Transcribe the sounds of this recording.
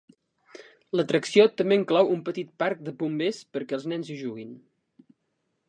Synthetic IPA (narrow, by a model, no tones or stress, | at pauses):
lət̪ɾəksiot̪əmbeəŋklɔwumpət̪it̪̚paɾk̚d̪əpumbespəɾkɛəlˠznɛnziʒuɣin